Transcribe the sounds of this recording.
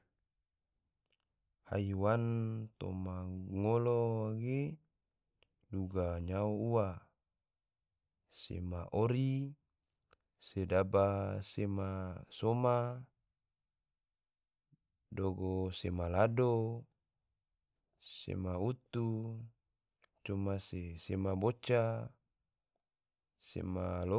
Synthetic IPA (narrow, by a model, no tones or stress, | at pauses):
ha̰jwant̪o̰maŋoloɡe | duɡaɲauuwa | sḛmaʔoɾi | sedabasemasoma | doɡosemalado | sḛmaut̪u | t͡ʃomasesemabot͡ʃa | sḛma̰lo